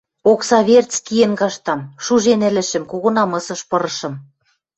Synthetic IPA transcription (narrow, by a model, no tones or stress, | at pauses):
oksɑβʲert͡skijĕnɡɑʃt̪ɑmʃuʒenɘ̆lɘ̆ʃɘ̆mkoɣŏnɑmɤ̆sɤ̆ʃpɤ̆ɾɤ̆ʃɤ̆m